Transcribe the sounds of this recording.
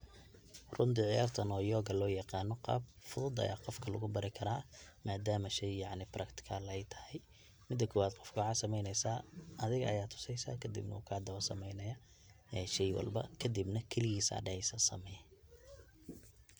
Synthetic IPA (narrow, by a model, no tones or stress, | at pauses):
rʊnt̪ʰiʕɪjaːrt̪ʰɐnɔːjɔːɣɐlɔːjɑqɑːnɔqɑ̰ːb̚fʊðʊd̪ɐ̰ja̰ːqɔfkʰɐlʊɣʊbɐɾɪkʰɐɾaːmaːd̪aːmɐʃɛjjɑʕnɪbɾɐkt̪ʰɪ̥kʰalɐɛjt̪ʰɐ̥hɛj | mɪd̪ɐkʰɔwaːd̪qɔfkʰʊʕɑːsɐmɛjnɛjsaːɐðɪɣɐɐjaːt̪ʰʊ̥sɛjsa̰ːkʰɐd̪ɪ̰bnɐuːkʰaːd̪ɐwɐsɐ̰mɛjnɐjɐ | ɛjʃɛjwɑ̰lbɐ̰kʰɐd̪ɪbnɐkʰɛlɪɣiːsa̰ːɖɛʕɛjsɐsɐ̰mɛj